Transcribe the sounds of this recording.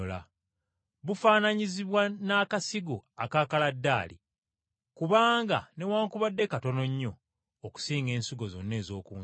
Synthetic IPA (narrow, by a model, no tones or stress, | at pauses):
ola̰ | βufaːnaɲiziβwanaːkasiɡoakaːkaladːaːlḭ | kuβaːŋɡa̰ne̞waːŋkuβadːe̞kato̞no̞ɲːoː | ku̥siːŋɡe̞ːnsiɡo̞zo̞̰nːe̞ːzo̞ːkuː